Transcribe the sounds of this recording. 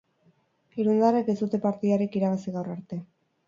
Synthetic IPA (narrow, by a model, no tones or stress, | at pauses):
iɾund̪areke̞zd̪ut̪e̞paɾt̪iðaɾikiɾaβasiɣawraɾt̪e̞